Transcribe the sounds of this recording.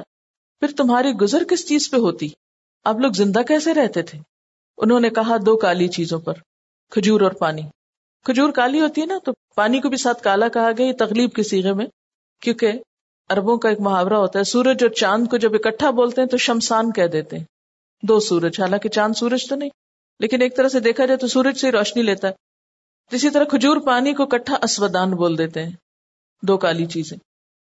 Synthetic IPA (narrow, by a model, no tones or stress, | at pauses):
pʰɪɾt̪ʊmɦaːɾiɡʊzəɾkɪst͡ʃiːzpeɦoːt̪i | ɐbloːɡzɪ̃nd̪akɛːseɾɛɦt̪et̪ʰeː | ʊ̰nɦõnekɐɦad̪oːkaːlit͡ʃiːzõpɐɾ | kʰʊd͡ʒuːɾɔːɾpaːni | kʰʊd͡ʒuːɾkaːliɦoːt̪iɦɛnat̪o | paːnikobʱisaːt̪̚ʰkaːlakɐɦaɡɐjajet̪ɐɣliːb̚kesiːɣemẽ | kjõːke | ɐɾbõkaeːkmʊɦaːwɾaɦoːt̪aɦɛsuːɾəd͡ʒɔːɾt͡ʃãːnd̪kod͡ʒɐbɪkəʈʰːaboːlt̪eɦɛ̃t̪oʃɐmsaːnkɛɦd̪eːt̪eɦɛ̃ː | d̪oːsuːɾəd͡ʒɦaːlãːket͡ʃãːnd̪suːɾəd͡ʒt̪onɐɦĩ | leːkɪneːk̚t̪ɐɾəɦsed̪eːkʰad͡ʒaːet̪osuːɾəd͡ʒseiɾɔːʃnileːt̪aɦɛ | t̪oɪsit̪ɐɾəkʰʊd͡ʒuːɾpaːnikoɪkəʈʰːaʔɐswəd̪aːnboːld̪eːt̪eɦɛ̃ː | d̪oːkaːlit͡ʃiːzẽː